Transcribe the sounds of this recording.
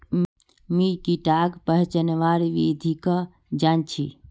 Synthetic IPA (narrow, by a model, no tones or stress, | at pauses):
mikiʈaɡpəɦt͡ʃənʋaɾʋid̪ʱikə | d͡ʒant͡ʃʰi